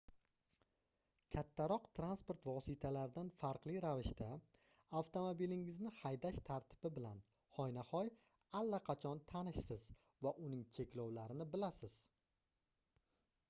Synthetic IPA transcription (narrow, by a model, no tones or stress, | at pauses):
kʲʰat̪ʰːaɾɒqt̪ʰɾanspoɾt̪vɒsɪt̪ʰalaɾɪd̪anfaɾqlˠiɾavɪʃt̪a | aft̪ʰomobilɪŋɪznɪhajd̪aʃt̪ʰaɾt̪ʰɪ̥b̥ɪbɪlan | hɒjnahɒj | alːaqʰɑt͡ʃʰɒnt̪ʰanɪʃsɪz | vaʔʊnɪŋt͡ʃʰe̞kʲlɒwlaɾɪnɪbɪlasɪz̥